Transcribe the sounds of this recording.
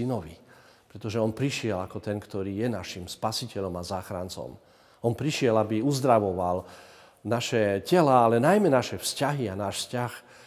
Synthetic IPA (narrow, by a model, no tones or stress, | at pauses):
inɔʋḭ | pɾɛt̪ɔʒɛɔnpɾiʃɪɛlakɔt̪ɛnkt̪ɔɾiːjɛnaʃimspasicɛʎɔmazaːxɾa̰nt͡sɔ̰m | ɔnpɾiʃɪɛlabiuzd̪ɾaʋɔʋal | naʃɛcɛlaalɛnajmɛnaʃɛfscaɦianaːʃfscax